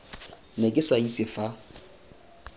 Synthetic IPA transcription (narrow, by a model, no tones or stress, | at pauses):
nɛkʼɪsait͡sʼɪfa